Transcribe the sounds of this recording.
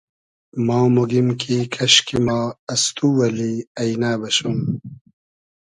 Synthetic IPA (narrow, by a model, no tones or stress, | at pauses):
mɑːmoɡimkʰikʰɐɕkimɑːɐst̪uwɐliɐjnaːbɐɕun